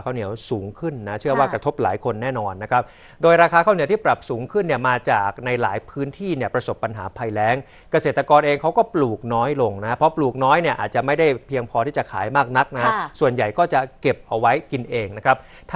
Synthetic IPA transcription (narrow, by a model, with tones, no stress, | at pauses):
kʰa˥˩wni˩˦əwsuː˩˦ŋkʰɯ˥˩nːa˦˥t͡ɕʰɯ˥˩əwaː˥˩kɾa˧t̪ʰo˦˥p̚la̰ː˩˦jkʰo˧nːɛː˥˩nɔː˧nːa˦˥kʰa˦˥p̚ | doː˧jɾaː˧kʰaː˧kʰaː˥˩wni˩˦t̪iː˥˩pɾa˨˩p̚suː˩˦ŋkʰɯ˥˩nːi˥˩ɐmaː˧t͡ɕaː˨˩k̚na˧jla̰ː˩˦jpʰɯː˦˥nt̪ʰiː˥˩ni˥˩ɐpɾa˧so˨˩pːa˧nɦa̰ː˩˦pʰa˧jlɛː˦˥ŋ | ka˧seː˨˩t̪ːɾa˧kɔː˧nʔeː˧ŋkʰa˦˥wkɔː˥˩pluː˨˩k̚nɔː˦˥jlo˧ŋna˦˥pʰɾɔ˦˥pluː˨˩k̚nɔː˦˥jni˥˩ɐʔa̰ː˨˩t̪̚t͡ɕa˨˩ma˥˩jda˥˩jpʰiː˧əŋpʰɔː˧t̪ʰiː˥˩t͡ɕa˨˩kʰa̰ː˩˦jmaː˥˩k̚na˦˥k̚na˦ha˦˥su˨˩ənja˨˩jkɔː˥˩t͡ɕa˨˩ke˨˩p̚ʔa˧wa˦˥jki˧nʔeː˧ŋna˦˥kʰa˦˥p̚ | t̪ʰ